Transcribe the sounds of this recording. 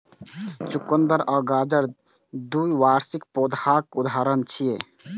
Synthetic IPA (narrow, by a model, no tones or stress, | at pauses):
t͡ʃʊkːənd̪əɾɔːɡaːd͡ʒəɾ | d̪uiʋaːɾsɪkpoːd̪aːkʊd̪ʱaːɾənt͡ʃʰije